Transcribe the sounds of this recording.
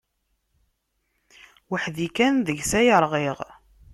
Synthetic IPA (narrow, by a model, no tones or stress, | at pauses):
waħðikænðəʝsæjəɾˤʁeʁ